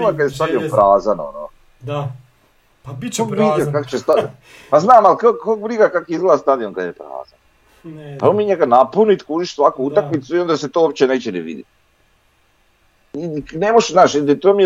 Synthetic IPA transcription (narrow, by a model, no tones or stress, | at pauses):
lakad̪jest̪ad̪iopɾaːzano̰no̰ | kiakako̥t͡ɕest̪a | paznaːmalkokokbɾiɡakakizɡlad̪ast̪ad̪ionkad̪jepɾa̰ːza̰n | paomiɲeɡanapunit̪kuʒiʃsʋakuut̪akmit̪suio̞nd̪aset̪oop̚t͡ɕeneːt͡ɕenɛʋḭd̪ḭt̪ | inemoʃznaːʃid̪et̪oːmi